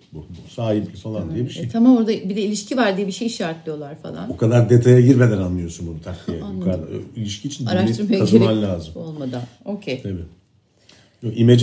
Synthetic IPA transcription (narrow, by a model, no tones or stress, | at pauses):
bubusaːɦiblʲifalˠand̪ijɛbiʃejt̪ʰamamoɾd̪abid̪ɛilʲiʃcʰivaɾd̪ijɛbiʃejiʃaɾt̪lˠɯjo̞lˠaɾ̥fa̰lˠa̰nbukʰad̪aɾd̪et̪ʰajaɟiɾmed̪ænanlːˠɯjo̞sunbunut̪ʰak̪ːijɛkailʲiʃcʰiːt͡ʃʰinaɾaʃtiɯɾajaazemanlʲaːzɯmolˠmad̪ano̞cʰejt̪ʰabi | joimed͡ʒ